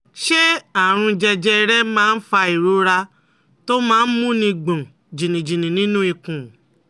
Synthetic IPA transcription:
ʃe˦a˨ɾ̃ũ˧d͡ʒɛ˧d͡ʒɛ˦˧ɾɛ˦mãː˦˧n̩˦fa˧i˨ɾu˨˦ɾa˧ | to˦mãː˦˧n̩˦mũ˦nĩ˧ɡ͡bũ˨ | d͡ʒĩ˨nĩ˨d͡ʒĩ˨nĩ˨nĩ˦nũ˦i˧kũ˨

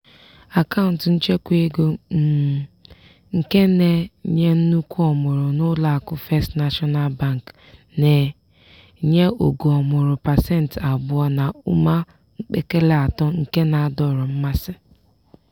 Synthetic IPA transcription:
a˨ka˦ʊ˨n̩˨tn̩˦t͡ʃe˦kʷe˦ɡo˦˨ | ŋ̩˨ke˦ne˨ɲe˦n̩˦nu˦kʷu˦ɔ˨mʊ˨ɾʊ˨nʊ˦la˦˨a˨kʊ˦fe˦stna˦ʃɔ˦na˦˨lba˦˨ŋ˨k | ne˨ | ɲe˦o˨ɡu˨ɔ˨mʊ˨ɾʊ˨pa˨sɛ˦n˨ta˨bʊ˦ɔ˦na˨ʊ˦ma˦ | ŋ̩˦k͡pe˦ke˦le˦a˨tɔ˦ŋ̩˨ke˦na˨a˨dɔ˦˨ɾʊ˨m̩˦ma˦sɪ˦

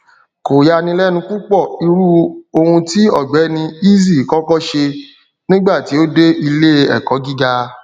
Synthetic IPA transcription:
ko˨ja˧nĩ˧lɛ˦nũ˧ku˦k͡pɔ˦˨i˧ɾu˦o˧hũ˧ti˦ɔ˦˨ɡ͡bɛ˨˦nĩ˧i˦zi˦˨kɔ˦kɔ˦ʃe˧ | nĩ˦ɡ͡ba˦˨ti˨˦o˦de˦i˧le˦ɛ̰˦˨kɔ˨˦ɡi˦ɡa˧

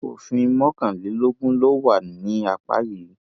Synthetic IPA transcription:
o̰˨fĩ˧mɔ̃˦kã˦˨li˨˦lo˦ɡũ˦lo˦wa˦˨n˨nĩ˨˦a˧k͡pa̰˦li˨˦

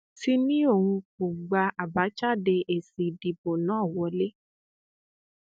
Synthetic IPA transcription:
ti˦nĩ˦o˦˨hũ˧ku˨ɡ͡ba˧a˨ba˨˦t͡ʃa˦˨de˧ʔe˨si˨di˨bo˨nãː˨˦˨wɔ˧˦le˦

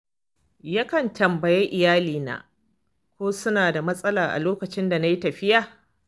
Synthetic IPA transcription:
ja˦kɐ˨ntɐ˨mbɐ˨je˦ʔɪ˨jaː˦liː˨na̰ː˨ | kʷoː˦sʊ˦naː˨da˨mɐ˦sʼɐ˦laː˨ʔa̰˨loː˦kɐ˨t͡ʃɪ˦nda˨na˦ji˦tɐ˨ɸɪ˦jaː˨

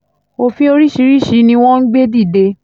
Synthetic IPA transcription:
o˧fĩ˦o˧ɾi˦ʃi˧˦ɾi˦ʃi˨˦nĩ˧w̃ɔ̃˦n̩˦ɡ͡be˦di˦˨de˧

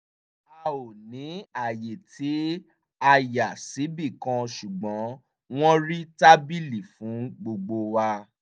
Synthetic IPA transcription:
a˧o˨nĩ˨˦a˦˨je˨tʰi˨˦ | a˧ja˨si˨˦bi˦˨kã˧ʃu˨ɡ͡bɔ̃˨˦ | w̃ɔ̃˦ɾi˦ta˦bi˦li˨fũ˨˦ɡ͡bo˧ɡ͡bo˧wa˧

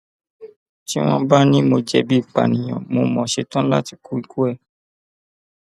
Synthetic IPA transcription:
ti˦w̃ɔ̃˦ba˦nĩ˦mo˧d͡ʒɛ˧bi˦i˨k͡pa̰˨nĩ˨j̃ɔ̃˨mo˧˦mɔ̃˨ʃe˧tã˦la̰˦ti˧ku˦ɾi˦ku˦ɛ˦˨

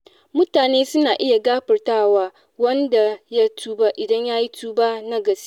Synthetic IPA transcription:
mʊ˦taː˨neː˦sʊ˦naː˨ʔɪ˦ja˨ɡaː˦ɸɐ˨rtaː˦˨waː˦ | wɐ˦nda˨ja˦tʰuː˦baː˦ʔɪ˨dɐ˦ɲjaː˦ji˦tʰuː˦baː˦na˦ɡɐ˨s

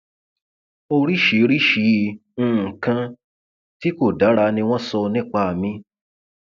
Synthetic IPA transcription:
o˧ɾi˦ʃi˨˦ɾi˦ʃĩ˨˦˧kã˧ | ti˦ko˦˨da˨˦ɾa˧nĩ˧w̃ɔ̃˦sɔ˧nĩ˦˨k͡pa˧˦a˨mĩ˧

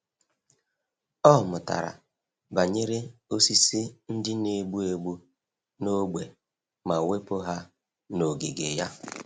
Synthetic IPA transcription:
ɔ˦˨mʊ˨ta̰˨ɾa̰˨ | ba˨ɲe˦ɾe˦o˦si˦si˦n̩˦dɪ˦ne˨ɡ͡bu˦e˨ɡ͡bu˦ | no˦ɡ͡be˨ | ma˨we˦po˦ɦa˦ | no˨ɡe˨ɡḛ˨ja˦

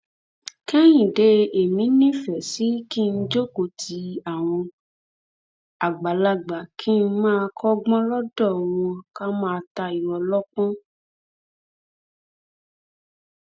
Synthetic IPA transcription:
kɛ̃˦j̃ĩ˨de˧˦e˨mĩ˨˦nĩ˦fɛ˨si˨˦ki˦˧n̩˦d͡ʒo˦ko˨tʰi˨˦a˦˨w̃ɔ̃˧ | a˨ɡ͡ba˨la˧ɡ͡ba˨kʰi˦n̩˦mãː˦˧kɔ˦ɡ͡bɔ̃˦lɔ˦dɔ˦˨w̃ɔ̃˧ka˦mãː˦˧ta˧i˨wɔ˨lɔ˦k͡pɔ̃˦

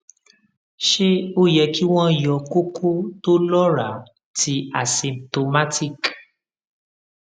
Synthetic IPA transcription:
ʃe˦o˦jɛ˧ki˦w̃ɔ̃˦jɔ˧ku˦ku˦to˦lɔ˦ɾa˨˦ | ti˧˦a˨sĩ˨m̚to˧ma˦ti˦˨k

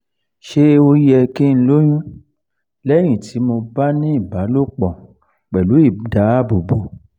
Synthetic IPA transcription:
ʃe˦o˧jɛ˧kĩ˦n̩˧˦lo˦j̃ũ˦ | lɛ˦j̃ĩ˦˨tʰi˨˦mo˧ba˦nĩ˦i˦˨ba˨˦lo˦˨k͡pɔ̃˨ | k͡pɛ˨lu˨˦i˦˨da˨˦bo˨bo˨

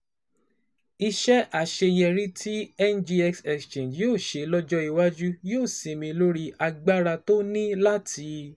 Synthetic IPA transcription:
i˧ʃɛ˦ʔa˦˨ʃe˧jɛ˧ɾĩ˦tʰi˦ɛ˦nd͡ʒi˧ɛ˧ksɛ˨kst͡ʃẽ˨d͡ʒjoː˦˨ʃe˧lɔ˦d͡ʒɔ˦i˧wa˦d͡ʒu˦joː˦˨sĩ˨mĩ˧lo˦ɾi˧ʔa˧ɡ͡ba˦ɾa˧to˦nĩ˦la˦tʰi˧

